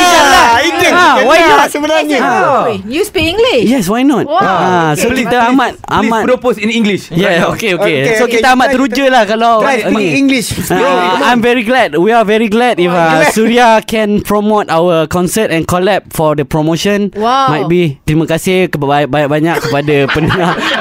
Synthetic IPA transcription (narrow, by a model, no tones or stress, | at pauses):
iŋɡliawajnɔsəbənaɲəajuspikĩŋɡlijɛswajnɔt̪wasokit̪aamat̪̚ammãtpɾoposĩnĩŋɡliʃjɛokeokesokit̪aamat̪əɾud͡ʒəlahkalawakiŋɡliʃaãjmvɛɹiɡlɛd̚wiavɛɹiɡlɛdifasuɾiakɛ̃npɾɔmot̪awəkɔ̃nsətɛ̃nkɔlɛp̚fɔdəpɾomõʃə̃nwmãjt̚bit̪ɾimə̃kasɪhkəabajaʔbaɲãkkːəpadapənəŋa